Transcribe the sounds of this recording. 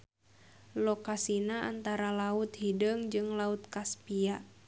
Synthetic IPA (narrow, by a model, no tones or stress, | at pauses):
lɔkasinaʔa̰nt̪aɾalaut̪hidəŋd͡ʒɨŋlaut̪̚kaspiaʔ